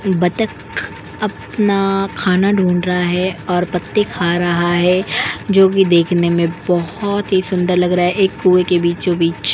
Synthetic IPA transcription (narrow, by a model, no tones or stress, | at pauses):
bɐt̪ək | ɐp | nakʰaːnaɖʱuːɳɖɾɐɦaɦɛɔːɾpɐt̪ːekʰaːɾɐɦaɦɛd͡ʒoːk̬id̪eːkʰnemẽbɔhʊt̪ɦisʊ̃nd̪əɾlɐɡɾaaɦɛʔeːkːuːwekebiːt͡ʃd͡ʒobiːt͡ʃ